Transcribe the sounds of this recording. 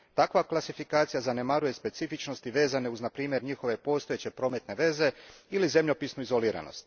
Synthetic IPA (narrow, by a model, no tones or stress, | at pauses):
t̪akʋaklˠasifikaːt̪sijazane̞maɾuje̞spe̞t̪sifit͡ʃno̞st̪iʋe̞ːzane̞uznapɾiːmje̞ɾɲixo̞ʋe̞po̞ːst̪o̞jet͡ɕe̞pɾo̞ːme̞t̪ne̞ʋe̞ːze̞ilize̞mʎo̞pisnuizo̞liːɾa̰no̰st̪